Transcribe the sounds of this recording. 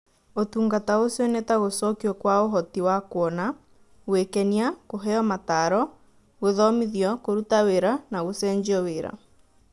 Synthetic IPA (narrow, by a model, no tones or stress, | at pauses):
otuːŋɡataosenɛtaɣosɔkiɔkwaoɦɔtiwakwɔna | ɣwekɛniakoɦɛɔmataɾɔ | ɣoðɔmiðjɔkoɾutaweɾanaɣosɛːɲd͡ʒiɔweɾa̰